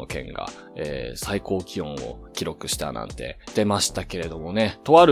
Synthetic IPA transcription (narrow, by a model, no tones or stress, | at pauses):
okẽ̞̰ŋɡa̰ | ḛːsaiko̞ːkʲiõ̞ɰ̃o̞̰kʲiɾo̞kɯ̟ɕi̥t̪a̰nã̰nt̪e̞̰d̪̥e̞maɕi̥t̪ake̞ɾe̞d̪o̞mo̞ne̞t̪o̞βaɾ